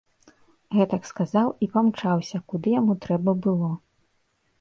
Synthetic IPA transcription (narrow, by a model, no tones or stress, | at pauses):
ɣɛt̪ɐkskazawipamt͡ʂawsʲɐkud̪ɨjamut̪ɾɛbɐbɨlˠɔ